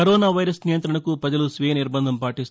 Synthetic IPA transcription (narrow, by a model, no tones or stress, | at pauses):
ɐɾɔːnaːʋɐjɾɐsnijɐnt̪ɾɐɳɐkupɾɐd͡ʒɐlusʋijɐniɾbɐnd̪ʱɐmpaːʈist̪u